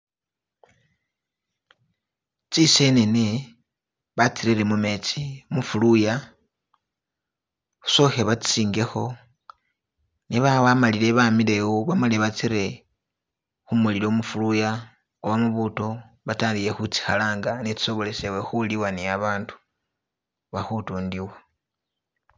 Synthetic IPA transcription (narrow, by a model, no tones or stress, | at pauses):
t͡sise̞nene | βat͡siɾiɾe̞mume̞t͡simufuluja | xu̥so̞xe̞βat͡st͡siːŋɡe̞xo̞ | neβaβamalile̞βamile̞woβamalieβat͡siɾe̞ | xumulilomufuluja | oβamuβuto̞ | βataːndije̞xut͡si̥xalaːŋɡanet͡si̥so̞βo̞le̞sewexuliwaniaβaːntu̥ | βaxutuːndiwa